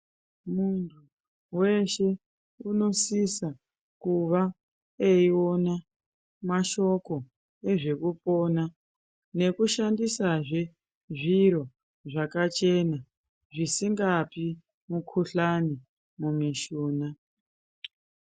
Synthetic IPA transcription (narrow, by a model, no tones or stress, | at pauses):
muntʰu | we̞ʃe̞ | uno̞sisa | kuʋa | eio̞na | maʃo̞ko̞ | e̞ʐe̞kupo̞na | ne̞kuʃandisaʐe | ʐiɾo̞ | ʐakat͡ʃe̞na | ʐisiŋɡapi | mukʰuɬani | mumiʃuːna